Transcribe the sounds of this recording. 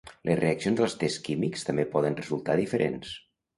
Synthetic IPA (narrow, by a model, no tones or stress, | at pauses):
lʔəzreəksionzðəlˠst̪ɛskimikst̪əmbepɔðənrəzulˠt̪aðifəɾʔḛns